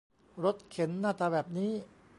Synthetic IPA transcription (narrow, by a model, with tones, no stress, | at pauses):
ɾo˦˥t̪̚kʰe˩˦nːaː˥˩t̪aː˧bɛː˨˩p̚niː˦˥